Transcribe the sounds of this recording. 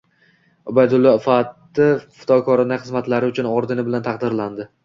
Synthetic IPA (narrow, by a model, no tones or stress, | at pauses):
ʊbajd̪ʊlˠːɒfat̪ːɪfɪ̥t̪ʰɒkʰɒɾɪnaχɨzmat̪laɾɪʊt͡ʃʰʊnɒɾd̪ɪnɪbɪlant̪ʰɑqd̪ɪɾland̪ɪ